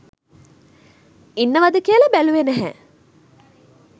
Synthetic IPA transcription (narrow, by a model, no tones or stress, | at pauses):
inːəʋɐd̪əkiəlɐbæluʋenæɦɛ